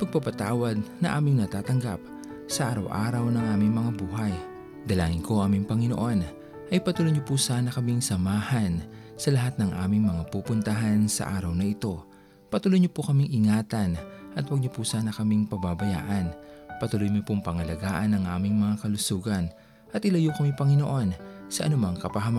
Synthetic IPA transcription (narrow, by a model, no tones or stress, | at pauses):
pɐɡ̚pɐpɐt̪aːwɐd̪̚nɐʔaːmɪŋnɐt̪aːt̪ɐŋɡa̰p̚ | sɐʔaːɾɐwʔa̰ːɾɐwnɐŋʔaːmɪŋmɐŋabuːɦɐj | d̪ɐlaːŋɪŋko̞ʔaːmɪŋpɐŋɪnoʔo̞n | ʔɐjpɐt̪ulojɲopusaːnɐkɐmiŋsɐmaːhɐnsɐlɐɦat̪̚nɐŋʔa̰ːmɪŋmɐŋapupʊnt̪ɐɦansɐ̰ʔa̰ːɾɐwnɐʔɪt̪o̞ | pɐt̪ulojɲopʊkɐmiŋʔɪŋaːt̪ɐnʔɐt̪wɐɡ̚ɲopusaːnɐkɐmiŋpɐbabɐja̰ːʔɐnpɐt̪ulojɲopʊŋpɐŋɐlɐɡaːʔɐnɐŋʔaːmɪŋmɐŋakɐlʊsuːɡɐn | ʔɐt̪̚ʔɪlɐjukɐmipɐŋɪno̞̰ʔo̞nsɐʔɐ̰nʊmaŋkɐpɐɦɐma